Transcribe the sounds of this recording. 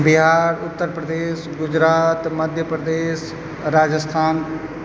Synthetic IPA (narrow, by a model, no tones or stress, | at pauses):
biɦaːɾʊt̪ːəɾpɾəd̪eːʃɡʊd͡ʑɾaːt̪mɐd̪ʱjəpɾəd̪eːʃ | ɾaːd͡ʒəst̪ʰaːn